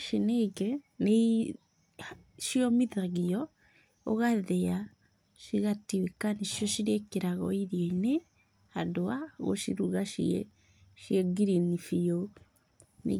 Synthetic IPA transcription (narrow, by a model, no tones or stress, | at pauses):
ʃineikɛ | nei | ʃiɔmiðaɣiɔ | oɣaðɛa | ʃiɣatiwekaneʃjɔʃiɾekeɾaɣɔ̰iɾjeine | hadoaɣo̰ʃḭɾuɣaʃiɛ̰ | ʃiɛɡiɾinifio | nḛ